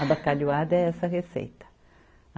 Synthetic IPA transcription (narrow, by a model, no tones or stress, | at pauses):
ɐbakaʎuad̪ɐɛɛsɐɦesḛjt̪ɐ̥